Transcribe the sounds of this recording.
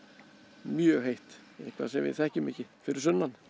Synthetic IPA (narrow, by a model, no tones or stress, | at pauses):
mjœɣɦejht̪ehkʰva̰sɛmvɪ̰ðθɛhcʏmɛhcɪfɪɾɪɾ̥sœnːan